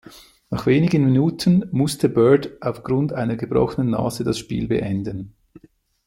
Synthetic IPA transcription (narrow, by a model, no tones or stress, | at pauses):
naχveːnɪɡənminuːtʰənmʊstʰəbœːɐdʔaʊfɡ̥ɾʊntaɪnəɡəbʁɔ̰χənənːa̰ːzədɑsʃpḭːlbḛʔɛndən